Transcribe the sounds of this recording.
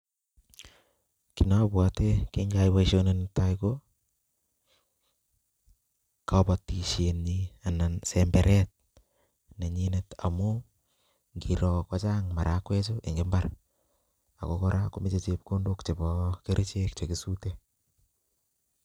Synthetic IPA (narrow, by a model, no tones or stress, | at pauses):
kinabwatekiŋɡajwaiʃonentaiko | kapatiʃenianansɛmbɛɾʔɛt̚ | neɲineta̰mu | ŋɡiɾɔkwat͡ʃaŋmaɾʔakwɛt͡ʃoʔeŋɡembar | a̰kokɔɾʔakomit͡ʃet͡ʃepkondukt͡ʃebɔkeɾʔet͡ʃek̚t͡ʃekisute